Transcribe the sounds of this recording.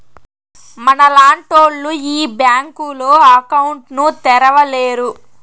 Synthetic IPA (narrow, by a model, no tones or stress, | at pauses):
mɐnɐlaːɳʈoːɭːuiːbjaːŋkuloːɐkɐwɳʈnut̪ɛɾɐʋɐleːɾu